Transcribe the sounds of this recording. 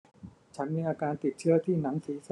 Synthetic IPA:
t͡ɕʰa˦˥nmiː˧ʔaː˧kaː˧nt̪i˨˩t̪̚t͡ɕʰɯ˥˩ɐt̪ʰiː˥˩na˩˦ŋsiː˩˦s

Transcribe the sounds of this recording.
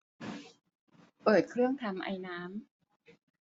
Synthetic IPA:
pɤː˨˩t̪̚kʰɾɯ˥˩əŋt̪ʰa˧mʔa̰˧jnaː˦˥m

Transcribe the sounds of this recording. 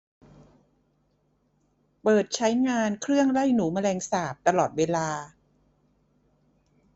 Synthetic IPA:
pɤː˨˩t̪̚t͡ɕʰa˦˥jŋaː˧nkʰɾɯ˥˩əŋla˥˩jnuː˩˦ma˧lɛː˧ŋsaː˨˩p̚t̪a˧lɔː˨˩t̪̚weː˧laː˧

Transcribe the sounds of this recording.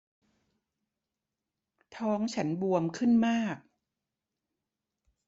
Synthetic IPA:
t̪ʰɔː˦˥ŋt͡ɕʰa˦˥nbu˧əmkʰɯ˥˩nmaː˥˩k̚

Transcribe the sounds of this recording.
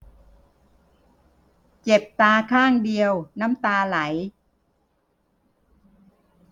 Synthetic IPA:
t͡ɕe˨˩p̚t̪aː˧kʰaː˥˩ŋdi˧əwna˦˥mt̪aː˧la˩˦j

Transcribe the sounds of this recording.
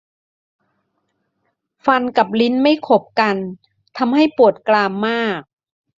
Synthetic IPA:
fa˧nka˨˩p̬̚li˦˥nma˥˩jkʰo˨˩p̚ka˧n | t̪ʰa˧mha˥˩jpu˨˩ət̪̚klaː˧mːaː˥˩k̚

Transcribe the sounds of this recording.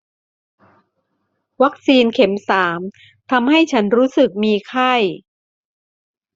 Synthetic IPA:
wa˦˥k̚siː˧nkʰe˩˦msaː˩˦m | t̪ʰa˧mha˥˩jt͡ɕʰa˦˥nɾuː˦˥sɯ˨˩k̚miː˧kʰa˥˩j

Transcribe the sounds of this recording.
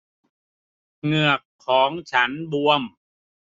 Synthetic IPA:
ŋɯ˨˩əkʰːɔː˩˦ŋt͡ɕʰa˦˥nbu˧əm

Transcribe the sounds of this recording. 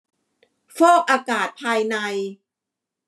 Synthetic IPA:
fɔː˥˩k̚ʔaː˧kaː˨˩t̪̚pʰaː˧jna˧j

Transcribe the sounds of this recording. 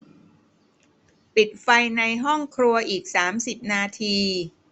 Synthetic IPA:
pi˨˩t̪̚fa˧jna˧jɦɔ˥˩ŋkʰɾu˧ɐʔiː˨˩k̚saː˩˦msi˨˩p̚naː˧t̪ʰiː˧

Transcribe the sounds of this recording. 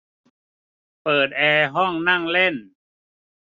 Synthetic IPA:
pɤː˨˩t̪̚ʔɛː˧ɦɔ˥˩ŋna˥˩ŋle˥˩n

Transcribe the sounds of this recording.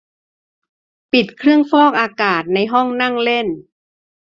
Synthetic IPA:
pi˨˩t̪̚kʰɾɯ˥˩əŋfɔː˥˩k̚ʔaː˧kaː˨˩t̪̚na˧jɦɔ˥˩ŋna˥˩ŋle˥˩n

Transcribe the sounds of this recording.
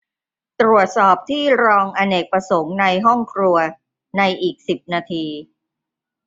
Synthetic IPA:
t̪ɾu˨˩ət̪̚sɔː˨˩p̚t̪ʰiː˥˩ɾɔː˧ŋʔa˧ne˨˩k̚pɾa˧so˩˦ŋna˧jɦɔ˥˩ŋkʰɾu˧ɐ | na˧jʔiː˨˩k̚si˨˩p̚naː˧t̪ʰiː˧

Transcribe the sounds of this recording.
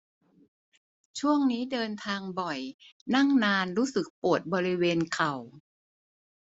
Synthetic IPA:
t͡ɕʰu˥˩əŋniː˦˥dɤː˧nt̪ʰaː˧ŋbɔ˨˩jna˥˩ŋnaː˧nɾuː˦˥sɯ˨˩k̚pu˨˩ət̪̚bɔː˧ɾi˦˥weː˧nkʰa˨˩w

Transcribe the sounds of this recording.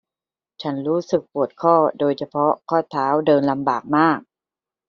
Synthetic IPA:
t͡ɕʰa˦˥nɾuː˦˥sɯ˨˩k̚pu˨˩ət̪̚kʰɔː˥˩doː˧jt͡ɕʰa˧pʰɔ˦˥kʰɔː˥˩t̪ʰːaː˦˥wdɤː˧nla˧mbaː˨˩k̚maː˥˩k̚

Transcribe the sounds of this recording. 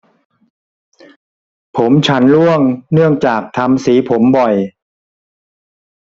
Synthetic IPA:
pʰo˩˦mt͡ɕʰa˦˥nlu˥˩əŋnɯ˥˩əŋt͡ɕaː˨˩k̚t̪ʰa˧msiː˩˦pʰo˩˦mbɔ˨˩j

